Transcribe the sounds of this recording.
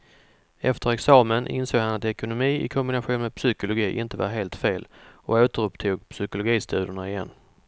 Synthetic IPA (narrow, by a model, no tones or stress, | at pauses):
ɛ̰ft̪ʰəɾɛksɑːmənʔɪ̰nsoːɡhanat̪ɛkʊnʊmiːʔɪ̰kʰʊmbɪnaɧuːnmeɛd̪psʏkʊlʊɡiːʔɪnt̪əva̰ɾɦeːlt̪feːlɔoːt̪əɾɵpt̪ʰuːɡ̚pʰsʏkʊlʊɡiːst̪ʰʉ̟ːd̪əɳaɪjɛ̰nː